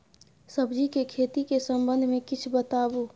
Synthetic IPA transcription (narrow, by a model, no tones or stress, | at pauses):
səbd͡ʒikekʰeːt̪ikesə̃mbə̃nd̪ʱmẽkɪt͡ʃʰbət̪aːbu